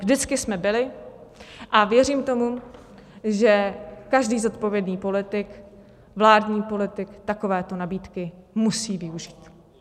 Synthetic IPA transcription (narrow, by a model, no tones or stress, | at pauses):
ʒdɪt͡skɪsmɛbɪlɪ | ʔavjɛriːmt̪o̞mu | ʒɛkaʒdiːzo̞t̪po̞vjɛdnɲiːpo̞lɪt̪ɪk | vlaːdɲiːpo̞lɪt̪ɪkt̪ako̞vɛːt̪o̞nabiːt̪kɪmusiːvɪuʒiːt̪